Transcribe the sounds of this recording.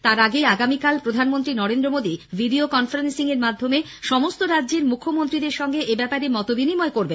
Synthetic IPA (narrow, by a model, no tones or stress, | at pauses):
t̪aɾaɡeaɡamikalpɾod̪ʱanmont̪ɾinɔɾend̪ɾomod̪ibʱiɖiokɔnfaɾensiŋeɾmad̪ʱːome | ʃɔmost̪oɾadːʑeɾmukʰːomont̪ɾid̪eɾʃɔŋɡeʔebɛpaɾemɔt̪obinimɔekoɾben